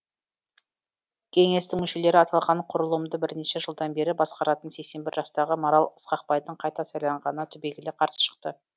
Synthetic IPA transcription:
kʲʰe̞ŋe̞st̪ɪŋmʏʃe̞le̞ɾɪɑt̪ɑlˠʁɑɴqʰʊɾəlˠəmd̪əbɪɾne̞ʃeʒəlˠd̪ɑnbe̞ɾɪbɑsqɑɾɑt̪ənse̞kse̞nbɪɾʒɑst̪ɑʁəmoɾɑlˠəsqɑq̚pɑjd̪əɴqʰɑjt̪ɑsɑjlˠɑɴʁɑnənɑt̪ʰʏbe̞ɡʲɪleqʰɑɾsə̥ʃə̥q̚t̪ə

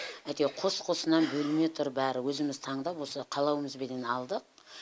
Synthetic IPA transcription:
æt̪e̞qʰo̞sqʰo̞sənɑnbɵlɪme̞t̪ʰʊɾbæɾɪwɵzɪmɪzt̪ʰɑɴd̪ɑpwo̞səqʰɑlˠɑwəməzbed̪enɑlˠd̪əq̚

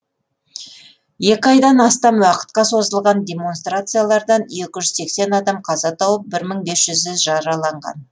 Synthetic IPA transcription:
je̞kʲɪɑjd̪ɑnɑst̪ɑmwɑqə̥t̪̚qɑso̞zəlˠʁɑnd̪ʲe̞mo̞nst̪rat̪sɨjalˠɑɾd̪ɑnje̞kʲɪʒʏzse̞kse̞nɑd̪ɑmqʰɑzɑt̪ʰɑwəp̚bɪɾməɴbe̞sʒ̥ʏzɪʒɑɾɑlˠɑɴʁɑ̰n

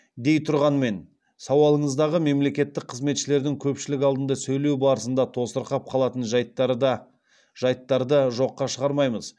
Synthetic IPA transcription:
d̪e̞jt̪ʰʊɾʁɑnme̞n | sɑwɑlˠəɴəzd̪ɑʁəme̞mle̞kʲe̞t̪ːɪk̚qʰəzme̞t̪ʃɪle̞ɾd̪ɪŋkʲʰɵpʃɪlɪk̬ʲɑlˠd̪ənd̪ɑsɵjle̞wbɑɾəsənd̪ɑt̪ʰo̞səɾqɑp̚qʰɑlˠɑt̪ənʒj | ʒɑjt̪ːɑɾd̪əʒo̞qːɑʃəʁɑɾmɑjməz̥

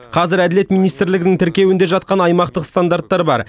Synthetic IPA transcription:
qʰɑzɪɾæd̪ɪle̞t̪mijnijst̪ɪɾlɪɡʲɪnɪŋt̪ʰɪɾkʲe̞wɪnd̪e̞ʒɑt̪̚qɑnɑjmɑqt̪əqst̪and̪aɾt̪ːɑɾbɑ̰ɾ

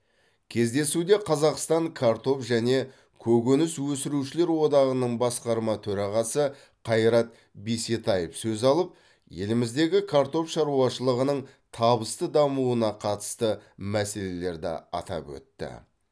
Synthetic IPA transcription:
kʲʰe̞zd̪e̞sud̪e̞qʰɑzɑqst̪ɑŋkʰaɾt̪o̞fʒæne̞ | kʲʰɵɡʲɵnɪswɵsɪɾuʃɪle̞ɾwo̞d̪ɑʁənəɴbɑsqɑɾmɑt̪ʰɵɾɑʁɑsə | qʰɑjɾɑt̪̚ | biset̪ɑjəfsɵzɑlˠəp̚ | je̞lɪmɪzd̪e̞ɡʲɪkʰaɾt̪o̞fʃɑɾuɑʃəlˠəʁənəɴt̪ʰɑβəst̪əd̪ɑmuənɑqʰɑt̪ə̥st̪əmæse̞le̞le̞ɾd̪ɪ̰ɑ̰t̪ɑ̰pwɵ̰t̪ːɪ̰

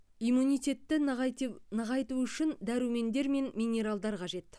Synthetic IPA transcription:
ijmunijt̪ʲe̞t̪ːɪ | nəʁɑjt̪uʏʃɪnd̪æɾuwme̞nd̪e̞ɾme̞nmʲinʲe̞ɾalˠd̪ɑɾqʰɑʒe̞t̪

